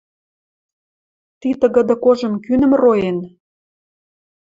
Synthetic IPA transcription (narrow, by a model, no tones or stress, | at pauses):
t̪it̪ə̆ɣə̆d̪ə̆koʒə̆mkynə̆mrojen